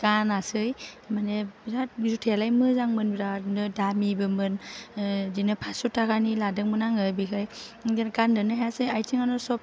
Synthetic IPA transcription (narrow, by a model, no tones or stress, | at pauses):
ɡanasɯjmaneɾazutʰelajmɯzaŋmɯnbɾanɯdamibɯmɯn | dinɯpʰasutʰːakʰaniladɯŋmɯnaŋɯbikʰajɡandɯnɯɦeasɯjajtʰiŋanɔsɔp̚